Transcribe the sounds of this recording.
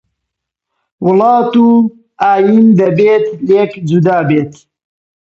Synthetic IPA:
wʊlɑːt̪uː | aːjind̪ɐbeːt̪lekd͡ʒud̪aːbeːt̪

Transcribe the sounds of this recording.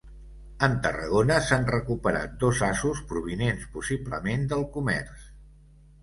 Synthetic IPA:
ənt̪ərə̰ɣ̞onəsanrəkupəɾa̰t̪̚d̪ozazuspɾuβinenspusiblə̰mend̪əlˠkumɛ̰rs

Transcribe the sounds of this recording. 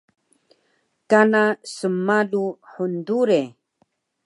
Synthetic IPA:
kanasəmaluħunduɾe

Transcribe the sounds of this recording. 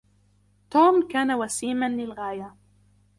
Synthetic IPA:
t̪oːmkaːnawasiːmanlɪlɣaːja

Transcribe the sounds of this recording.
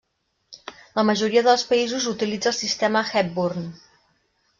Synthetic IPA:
ləməʒuɾiəðəlˠspəizuzut̪ilid͡zəlˠsist̪ɛməxɛp̚buɾn

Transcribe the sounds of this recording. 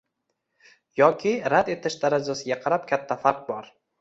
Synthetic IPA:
jɒkʲʰɪɾad̪e̞t̪ʰɪʃd̪aɾad͡ʒasɪɡʲaqʰɑɾap̚kʲʰat̪ʰːafaɾq̚bɒɾ

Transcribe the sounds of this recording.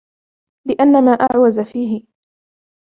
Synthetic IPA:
lɪʔanːamaːʔa̰ʕwazafiːɦɪ

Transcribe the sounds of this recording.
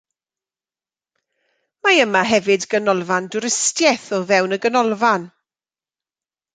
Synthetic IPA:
maəmaɦɛvɨdɡənɔlˠvandʊɾɪstjɛθɔvɛwnəɡənɔlˠvan

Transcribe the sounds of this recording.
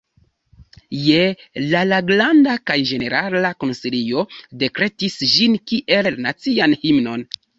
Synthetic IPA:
jelalaɡlandakajd͡ʒe̞ne̞ɾalakonsilio̞de̞kɾe̞tisʒinkiʔe̞lnat͡sianhimno̞n

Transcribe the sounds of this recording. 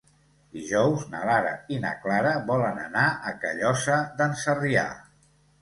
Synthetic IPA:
d̪iʒɔwzna̰laɾə̰inə̰klaɾəβɔlənə̰naʔəkəʎɔsəðənsəria̰

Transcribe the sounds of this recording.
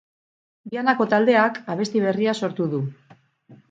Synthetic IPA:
bianako̞t̪ald̪e̞akaβ̞e̞st̪iβ̞e̞riaso̞ɾt̪uðu

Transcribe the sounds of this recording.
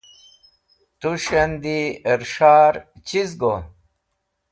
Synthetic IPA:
t̪uɕɐnd̪ieɾʂaːɾt͡ɕizɡo

